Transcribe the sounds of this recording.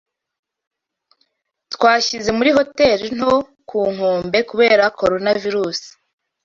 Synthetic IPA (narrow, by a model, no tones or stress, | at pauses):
twaːçize̞muɾiɦo̞te̞ɾin̥o | kʰuːŋ̥huːmbe̞kuβe̞ːɾakʰo̞ɾo̞naviɾuːsi̥